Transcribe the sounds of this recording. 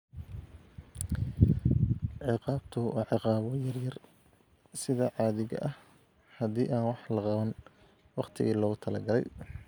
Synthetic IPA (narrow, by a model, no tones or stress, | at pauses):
ʕɪqɑːbt̪ʰʊʔɑ̰ʕɪqɑːβɔjɐrjɐr | sɪðɐʕɑːðɪɣɐ̰ʔɐh | hɐðiːʔaːnwɑħlɐqɑβɐn | wɑqt̪ʰɪɣiːlɔːɣʊt̪ʰɐlɐɡɐlɛ̰j